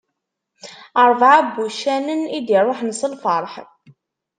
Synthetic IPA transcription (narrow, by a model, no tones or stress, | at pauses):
əɾˤvʕabːuʃænənid̪irˤːoħnəsəlfɑɾˤħ